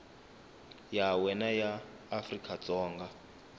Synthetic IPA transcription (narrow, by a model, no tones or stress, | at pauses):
jawɛnajaː | frikʰʼat͡sɔːŋɡa